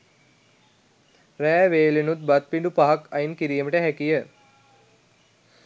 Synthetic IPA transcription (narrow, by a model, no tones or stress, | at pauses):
ræːʋeːlinut̪̚bat̪̚piɳɖupaɦakajinkiɾiːməʈəɦækijə